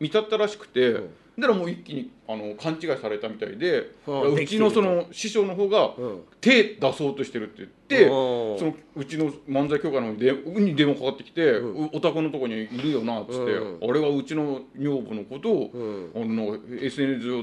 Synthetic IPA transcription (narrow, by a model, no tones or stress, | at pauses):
mʲit̪at̪et̪ːaɾaɕi̥kɯ̥t̪e̞ | d̪aɾamoːikʲːiɲ̟iano̞kʰãɲ̟t͡ɕiɡaisaɾe̞t̪amʲit̪a̰ḭd̪e̞ɯt͡ɕino̞so̞no̞ɕiɕo̞ːnoɦo̞ːɡat̪e̞ːd̪aso̞ːt̪o̞ɕi̥t̪e̞ɾɯ̟t̪ːe̞jɯt̪ːe̞so̞noɯ̟t͡ɕino̞mãnd͡zaikʲo̞kanoɦoːɲ̟id̪ẽɲid̪ẽ̞mokakat̪ːe̞kʲi̥t̪e̞ot̪akɯ̟no̞t̪o̞koɲ̟iiɾɯ̟jo̞natt͡sɨ̥t̪ːe̞̰aɾe̞βaɯ̟t͡ɕino̞ɲo̞ːbono̞ko̞t̪o̞anonãŋke̞sɨe̞nesɨ